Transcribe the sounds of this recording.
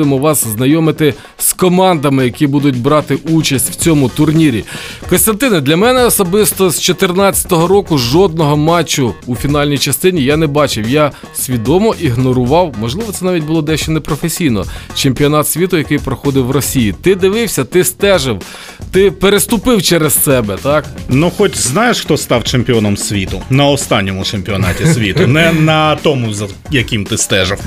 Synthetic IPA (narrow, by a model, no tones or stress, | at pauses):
ɪmɔʋɑsznɐjɔmɪt̪ɪ | skɔmɑnd̪ɐmɪjɐkibud̪ʊt̚ʲbɾɑt̪ɪʔut͡ʃɐsʲtʲw̥t͡sʲɔmʊt̪ʊrnʲiɾʲḭkɔnst̪ɐnt̪ɪnɛd̪lʲɐmɛnɛɔsɔbɪst̪ɔzt͡ʃɔt̪ɪrnɑt͡sʲɐ̥t̪ɔɦɔɾɔkʊʒɔd̪̚nɔɦɔmɑt͡ʃːʊːfʲin̪ɑlʲnʲijt͡ʃɐst̪ɪnʲijanɛbɑt͡ʃɪwja | sʲʋʲid̪ɔmɔʔiɦnɔɾʊʋɑwmɔʒlˠɪʋɔt̪sɛnɑʋʲit̚ʲbʊlˠɔd̪ɛʃt͡ʃɔnɛpɾɔfesʲijnɔ̰t͡ʃemʲpʲiɔnɑt̪sʲʋʲit̪ʊjɐkɪjpɾɔxɔd̪ɪwrɔsʲijit̪ɪd̪ɪʋɪwsʲɐt̪ɪst̪ɛʒɪw | t̪ɪpeɾest̪ʊpɪwt͡ʃɛɾessɛbɛt̪ɑknuxɔtʲznɑjeʃxt̪ɔst̪ɑwt͡ʃemʲpʲiɔnɔmsʲʋʲit̪ʊnɐɔst̪ɑnʲːɔmʊt͡ʃemʲpʲiɔnɑ̰tʲisʲʋʲit̪ʊnɛnɐt̪ɔmʊzɐ | jɐkʲimt̪ɪst̪ɛʒɪw